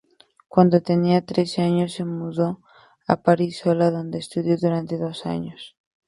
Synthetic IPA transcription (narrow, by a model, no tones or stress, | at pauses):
kwand̪o̞t̪e̞niat̪ɾe̞seaɲo̞sːe̞muðo̞ | a̰paɾiso̞laðo̞nd̪e̞ːst̪uðjo̞ðuɾant̪e̞ðo̞sa̰ɲo̞s